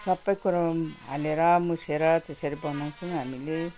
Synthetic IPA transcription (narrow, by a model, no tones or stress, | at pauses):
sʌbːʌjkuɾʌmɦa̰leɾamuseɾat̪esʌɾibʌnaw̃t͡sʰuŋɦamile